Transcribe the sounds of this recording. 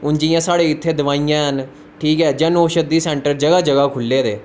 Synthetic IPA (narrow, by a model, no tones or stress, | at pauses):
ʊnd͡ʒɪjãːsaːɽeːɪt̪ʰːeːd̪əʋaːijãːɦən | ʈʰiːkɦɛːd͡ʒənoːʃəd̪iːsɛ̃ːɳʈəɾd͡ʒəɡaːd͡ʒəɡaːkʰʊlːeːd̪eː